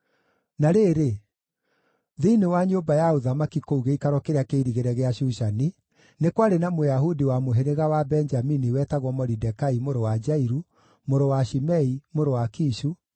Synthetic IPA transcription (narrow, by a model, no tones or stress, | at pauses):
naɾeɾe | ðiinewaɲobajauðamakikouɣeikaɾwɔkeɾeakeiɾiɣeɾɛɣeaɕuʃani | nekwaɾenamojaɦudiwamoɦeɾeɣawabɛnd͡ʒaminiwɛtaɣwɔmɔɾidɛkaimoɾowad͡ʒaiɾu | moɾowaʃimɛimoɾowakiʃu